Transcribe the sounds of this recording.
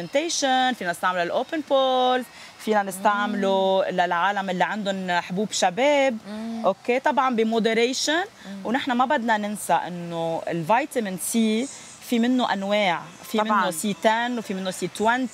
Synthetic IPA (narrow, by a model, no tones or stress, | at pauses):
ent̪ejʃonfiːnanɪst̪aʕmlalʔoːpɪnpoːlt | fiːnanɪst̪aʕmlulalʕaːlamʔɪlːiʕand̪ʊnħbuːbʃabeːbʔokːet̪ˤɑbʕɑmbimod̪eɾejʃʊnwnɪħnamabad̪nanɪnsaʔɪ̰nːoɪ̰lvajt̪amɪnsi | fimɪnːoʔa̰nweːʕ | fimɪnːosiːt̪anːwfimɪnːosiːt̪wan